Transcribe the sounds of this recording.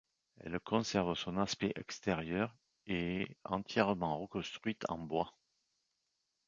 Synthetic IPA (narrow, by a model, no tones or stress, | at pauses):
ɛ̰lkʰɔ̃sɛʁvsɔ̃naspeʔɛ̰kst̪eʁjœʁ | eɑ̃t̪jɛʁəmɑ̃ʁəkɔ̃st̪χɥit̪ʰɑ̰̃bwa